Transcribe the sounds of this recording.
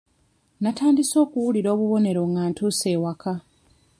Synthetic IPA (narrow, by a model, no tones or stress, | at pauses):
nataːndiso̞ːkuwuliɾo̞ːβuβo̞ne̞ɾo̞ŋɡaːntʰuːse̞ːwakʰa